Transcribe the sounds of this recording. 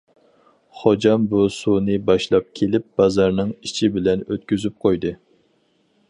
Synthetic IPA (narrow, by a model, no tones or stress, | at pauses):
χod͡ʒɑmbusunɨbɑʃlˠɑp̚kʲʰelɪp̚b̥ɑzɑɾnɨŋit͡ʃʰibɪlɛnøt̪̚kʲyzyp̚qʰojd̪ɨ